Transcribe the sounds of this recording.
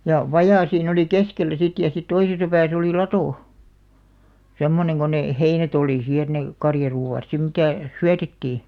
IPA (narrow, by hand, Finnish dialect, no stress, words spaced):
jɑ ʋɑjɑˑ siːn oli keskelːæ sit jɑ sit toisesɑ pæːs oliˑ lɑtoˑ semːoneŋ ko neˑ heinæt oliˑ siː et ne kɑrjɑruːɑˑt sim mitæˑ syætetːiː